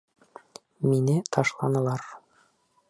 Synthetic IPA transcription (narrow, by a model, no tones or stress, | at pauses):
minɘt̪ʰɒʃlˠɑnɤ̆lˠɑɾ